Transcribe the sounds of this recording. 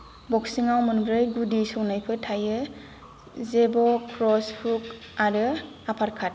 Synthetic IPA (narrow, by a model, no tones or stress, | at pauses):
bɔksiŋawmɯnbɾɯjɡudisɔwnajpʰɯtʰajɯ | zebɔkʰɾɔspʰuk | aɾɯ | apʰaɾkʰat̚